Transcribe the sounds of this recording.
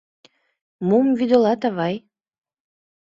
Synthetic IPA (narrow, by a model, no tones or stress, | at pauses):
mumvyd̪olɑt̪ɑβɑj